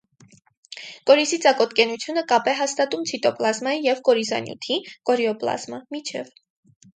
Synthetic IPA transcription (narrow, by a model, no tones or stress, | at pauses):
kɔɾisit͡sɑkɔt̪kɛnut͡sʰjunəkɑpɛɦɑst̪ɑt̪umt͡sʰit̪ɔplɑzmɑjijɛvkɔɾizɑ̰njṵt̪ʰikɔɾiɔplɑ̰zmɑmit͡ʃʰɛ̰v